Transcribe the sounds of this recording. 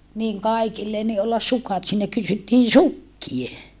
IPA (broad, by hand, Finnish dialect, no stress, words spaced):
niŋ kɑikilːe ni olːɑs sukɑt siːnæ kysytːiːn̞ sukːie